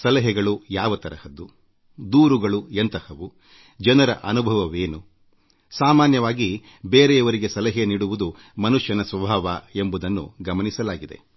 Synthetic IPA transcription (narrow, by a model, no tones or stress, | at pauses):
sɐlɐɦɛɡɐɭujaːʋɐt̪ɐɾɐhɐd̪ːu | d̪uːɾuɡɐɭuent̪ɐhɐʋu | d͡ʒɐnɐɾɐ̰ʔɐnubʱɐʋɐʋeːnu | saːmaːnjɐʋaːɡi | beːɾejɐʋɐɾiɡe̞sɐlɐɦeniːɽuʋud̪u | mɐnuʂjɐnɐsʋɐbʱaːʋae̞mbud̪ɐnːṵɡɐmɐnisɐlaːɡid̪e̞̰